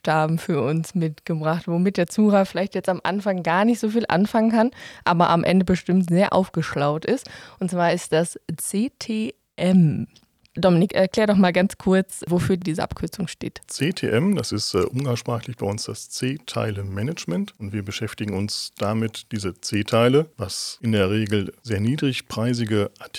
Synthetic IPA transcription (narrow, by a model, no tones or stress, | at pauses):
ʃtaːbm̩fyːɐʔʊnsmɪtɡ̥əbʁaχtv̥omɪt̚d̥eːɐt͡suːʁafɪlaɪçtjɛt͡stamʔa̰nfaŋɡaːɐnɪçtz̥oːfiːlʔa̰nfaŋənkʰanʔa̰ːbɐʔa̰mʔɛ̰ndəbəʃtɪmtz̥eːɐʔa̰ʊfɡ̥əʃlaʊtɪstʔʊntt͡sv̥aːɐɪst̚d̥ast͡seːtʰeː | ʔɛm | d̥ɔmɪnɪkʔɛɐkl̥ɛːɐdɔχmaːlɡant͡skʰʊɐt͡svofyːɐdiːzəʔa̰pkʰʏɐt͡sʊŋʃtḛːtt͡seːtʰeːʔɛmd̥asɪstːʔʊnaʃpʁ̥aːxlɪçb̥aɪʊnsd̥ast͡seːtʰa̰ɪləmɛnət͡ʃmɛntʊntv̥iːɐbəʃɛftɪɡŋ̩ʊnsd̥amɪtd̥iːzət͡seːtʰaɪləvasʔɪndeːɐʁeːɡl̩zeːɐniːdʁɪçpʁ̥aɪzɪɡəʔat